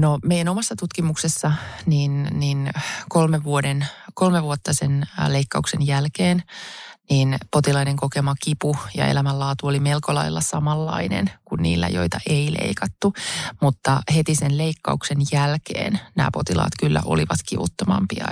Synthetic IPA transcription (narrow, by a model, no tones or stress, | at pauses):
nomeijænomɑsːɑt̪ut̪kimuksesːɑniːnniːnkolmeʋʋuodenkolmeʋuot̪ːɑsenleikːɑuksenjælkeːnniːnpot̪ilɑineŋkokemɑkipujɑ̰ḛlæmælːɑːt̪uolimelkolɑilːɑsɑmɑlːɑ̰inḛnkunnḭːlːæ̰jo̞̰it̪ɑʔeilḛikɑt̪ːumut̪ːɑhet̪isenleikːɑuksenjælkḛːnnæ̰ːpo̞t̪ilɑ̰ːt̪kylːæ̰ʔo̰liʋɑt̪kiʋṵt̪ːomɑ̰mpiɑ̰